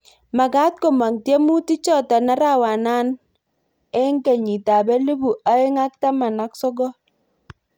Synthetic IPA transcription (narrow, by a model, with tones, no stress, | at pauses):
ma˨ɡa˦t̚ko˨ma˨ŋtje˦mu˦ti˦t͡ʃɔ˦˨ta˨na˦ɾa˦˨wa˨na˦n | ɛ˦ŋɡe˨ɲi˨ta˨bɛ˦li˦bu˨a˦e˦ŋa˦k̚ta˦ma˨na˨˦ksɔ˦ɡɔ˦